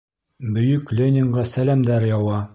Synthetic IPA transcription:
bɵ̆jɵklʲenʲɪŋʁɑsælæmd̪æɾjɒwɑ

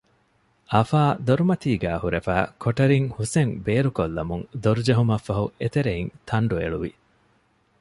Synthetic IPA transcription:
ʔɐfaːd̪oɾumɐt̪iːɡæːhuɾefæːkʰoʈɐɾiŋhuseŋbeːɾukolːɐmuŋd̪oɾud͡ʒɐɦumɐfːɐɦuet̪eɾeint̪ʰɐɳɖuḛɭuʋḭ

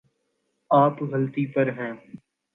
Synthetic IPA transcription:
aːpɣəlt̪ipɐɾɦɛ̃ː

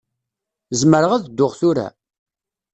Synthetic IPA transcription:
zməɾəʁæðd̪ːʊʁθʊɾæ̰

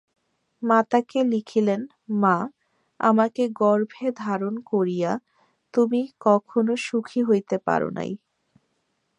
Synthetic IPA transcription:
mat̪akelikʰilen | ma | a̰makeɡɔɾbʱed̪ʱaɾonkoɾija | t̪umikɔkʰonoʃukʰiɦojt̪epa̰ɾo̰na̰j

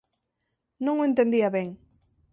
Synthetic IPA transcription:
nõŋoent̪end̪iɐβeŋ

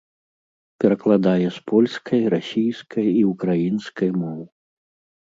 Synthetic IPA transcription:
pʲɛɾɐklˠad̪ajɛspʰɔlʲskʰɐjɾasʲijskʰɐjiukɾajinskʰɐjmɔw

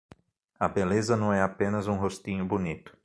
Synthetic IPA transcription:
ɐbelezɐnɐ̃w̃ɛapẽnɐzũɦost̪ĩɲʊbunit̪ʊ̥

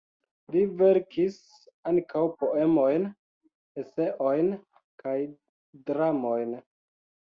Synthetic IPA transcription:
liveɾkʰis | aŋkʰawpo̞e̞mo̞jn | ese̞ʔo̞jn | kaj | dɾamo̞jn

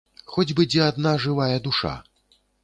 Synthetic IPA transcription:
xɔd͡zʲbɨd͡zʲɛad̪naʐɨvajɐd̪uʂa̰

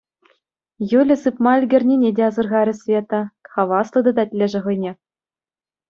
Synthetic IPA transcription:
julʲɘ̆sɯpmɑĕlʲɡʲɘ̆rʲnʲinʲedʲeɑzɤ̆rʁɑɾʲɘ̆sʲvʲet̪ɤ̆χɑʋɑslˠɤ̆d̪ɤ̆d̪ɑtʲlʲeʐɘ̆ʁɤ̆jnʲe

